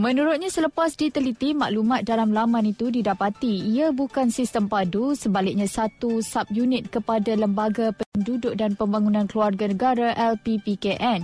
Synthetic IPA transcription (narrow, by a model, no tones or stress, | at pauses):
mə̃nũɾʊt̪̚ɲasələpasdit̪əlit̪ima̰ʔlumãt̪̚dalamlamãnit̪udidapat̪iːabukansist̪əmpadusəbalɪk̚ɲãsat̪usap̚junɪt̪̚kəpadaləmbaɡapəndudʊʔ̚danpəmbaŋunãnkluarɡanəɡaɾaʔɛlt̪ipikeʔɛn